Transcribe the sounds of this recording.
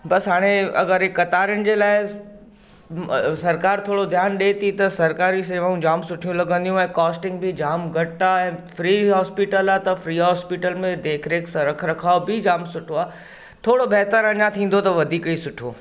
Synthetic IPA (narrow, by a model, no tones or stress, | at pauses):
bɐsɦaːɽ̃eɐ̰ɡəɾɦɪkɐt̪aːɾənɪ̆d͡ʑeːlaːɪ | sɐɾkaːɾt̪ʰoːɽod̪ʱjaːnɗeːt̪ʰit̪ɐsɐɾkaːɾisɐʋəũd͡ʑaːmsʊʈʰijũlɐɡə̃nd̪ijũɛ̃ːkɔːsʈɪ̃ŋɡbɪd͡ʑaːmɡʱɐʈaɛ̃ːfɾiːɦɔːspiʈəlaːt̪ɐfɾiːɦɔːspiːʈəlmẽd̪eːkʰɾeːksɐ̃ɾɐkʰɾɐkʰaːobɪd͡ʑaːmsʊʈʰoaː | t̪ʰoːɽobeɦt̪əɾɐɲat̪ʰĩːn̆d̪ot̪ɐʋɐd̪ʱiːkisʊʈʰo̰ː